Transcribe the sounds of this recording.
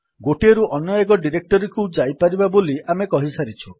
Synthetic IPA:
ɡoʈieɾuʔɔnjajɔɡɔɖiɾek̚ʈɔɾikud͡ʒajpaɾibaboliamekɔɦisaɾit͡ʃʰu

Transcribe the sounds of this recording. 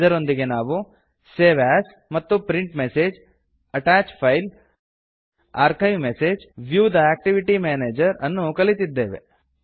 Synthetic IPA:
d̪ɐɾo̞nd̪iɡe̞naːʋu | seːʋaːs | mɐt̪ːupɾiɳʈmeseːd͡ʒ | ɐʈaːt͡ʃpʰɐjl | a̰ːɾkɐjʋmeseːd͡ʒʋjuːd̪ɐæːk̚ʈiʋiʈimaːneːd͡ʒɐɾɐnːukɐlit̪id̪ːeːʋḛ

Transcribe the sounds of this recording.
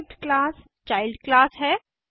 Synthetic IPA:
ʈklaːs | t͡ʃaːɪlɖklaːsɦɛː

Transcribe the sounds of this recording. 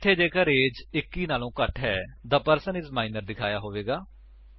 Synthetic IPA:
t̪ʰːeːd͡ʒeːkəɾeːd͡ʒɪkːiːnaːlõːkəʈɦɛːd̪aːpəɾsənɪsmaːɪnəɾd̪ɪkʰaːjaːɦoːʋeːɡaː

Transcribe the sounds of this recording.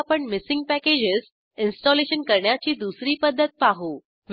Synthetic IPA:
apəɳmisɪ̃ŋɡ̚pæked͡ʑɪz | insʈɔleɕənkəɾɳjat͡ɕiːd̪usɾiːpəd̪ʱːət̪̚paɦu | ʋ

